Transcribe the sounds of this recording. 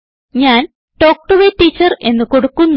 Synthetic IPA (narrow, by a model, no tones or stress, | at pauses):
ɲaːn | ʈo̞ːk̚ʈuʋeʈːiːt͡ɕːɐre̞nːɨkoɽukːunː